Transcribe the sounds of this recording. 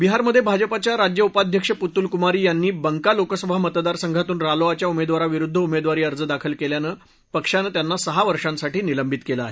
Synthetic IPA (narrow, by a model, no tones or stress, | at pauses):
biɦaɾməd̪ʱːjebʱad͡ʑəpat͡ɕjaɾad͡ʑjəupad̪ʱjəkʂəput̪ːulkumaɾiːjanːiːbəŋkalokəsəbʱamət̪d̪aɾsəŋɡʱat̪uːnɾaloat͡ɕjaumed̪ʋaɾaʋiɾud̪ʱːəumed̪ʋaɾiːəɾd͡zəd̪akʰəlkeljanəː | pəkʂanət̪janːasəɦaʋəɾʂãnsaʈiːniləmbʱit̪kelaaɦe